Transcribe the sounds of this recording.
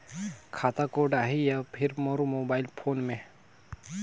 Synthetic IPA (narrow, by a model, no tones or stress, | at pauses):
kʰaːt̪akoːɾɖaːɦejapʰɪɾməɾumoːbaːɪlpʰoːnmẽ